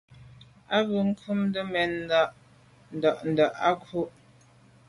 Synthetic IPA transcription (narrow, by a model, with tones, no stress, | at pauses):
a˦bʉ˨ŋ̩˦kʰu˦mdə˦mɛ˨n˦da˦˨ʔ | n̩˨da˨ʔn̩˨da˨ʔa˦kʰu˦ʔ